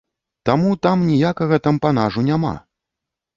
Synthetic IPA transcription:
t̪amut̪amnʲijakɐɣɐt̪ampan̪aʐunʲama̰

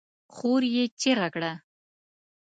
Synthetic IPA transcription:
χoɾjet͡ʃeɣakɽa

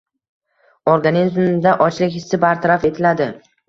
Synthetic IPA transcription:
oɾɡanizmd̪aʔɒt͡ʃlɪkʲhɪsːɪbaɾt̪ʰaɾafe̞t̪ʰɪlad̪ɪ

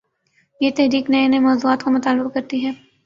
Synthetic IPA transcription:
jet̪ɛɦɾiːknɐenemɔːzuːaːt̪kamʊt̪aːlːʊbkɐɾt̪iɦɛː

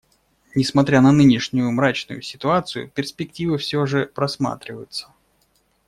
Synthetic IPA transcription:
nʲɪsmɐt̪ɾʲanɐnɨnʲɪʂnʲʊjʊmɾat͡ɕnʊ̰jʊsʲɪt̪ʊat̪sɨjʊ̰pʲɪrspʲɪk̚tʲivəfsʲoʐɨpɾɐsma̰t̪ɾʲɪvəjʊt̪sə̥

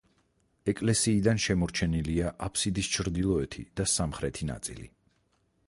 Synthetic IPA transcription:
ɛkʼlɛsiːd̪anʃɛmɔɾt͡ʃʰɛniliaʔapʰsid̪ist͡ʃʰɾd̪ilˠɔɛt̪ʰḭd̪̥asamχɾɛt̪ʰina̰t̪sʼḭlḭ

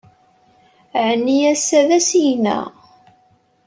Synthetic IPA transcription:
ʕnːiæsːæðæsijnæ̰

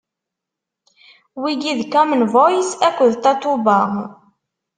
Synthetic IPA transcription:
wiɡiðkɔmənvɔjsækʷːəðt̪ɑt̪ːubəʁ

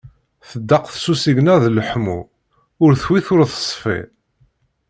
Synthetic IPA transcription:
θəd̪ːɑqθsusiʝnæðləħmṵ | ʊɾθwiθʊɾθə̥sˤfḭ

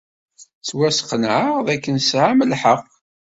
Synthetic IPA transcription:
t͡sːwæsqənʕəʁðækːənsʕaməlħəqː

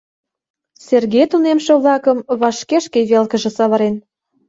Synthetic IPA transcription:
serɣejt̪unemʃĕβlɑkə̆mβɑʃkeʃkeβelkə̆ʒĕsɑβɑɾen

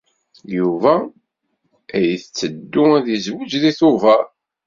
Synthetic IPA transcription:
juvæ | æjiθət͡sːəd̪ːʊæðizwəd͡ʒðiθʊvæɾ

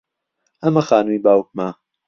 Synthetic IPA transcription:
ɐmɐxaːnumibaːwk̚ma

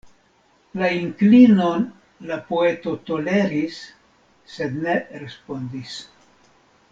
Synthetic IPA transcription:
laiŋklino̞n | lapo̞e̞to̞to̞le̞ɾisː | e̞d̪ne̞ɾe̞spo̞ndis

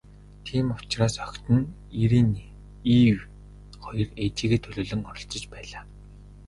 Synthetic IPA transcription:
t̪ʰiːmʊ̥t͡ɕraːsœkʲt̪ɘ̆n | iɾiːn | iːw | χɔjɞ̆ret̪ʰiːɣeːt̪ʰɵɮɵːɮɵ̆ŋɔɾɞ̆ɬt͡sə̆t͡ɕpæːɮaː

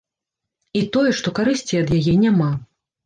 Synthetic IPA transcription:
it̪ɔjɛʂt̪ɔkaɾɨsʲt͡sʲiɐd̪jajɛnʲama

